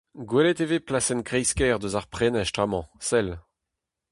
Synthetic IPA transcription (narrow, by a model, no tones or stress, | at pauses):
ɡwɛlɛt̪eveplasɛnkʁɛjskɛːʁd̪øzaʁpχɛnɛʃtχamɑ̃sɛl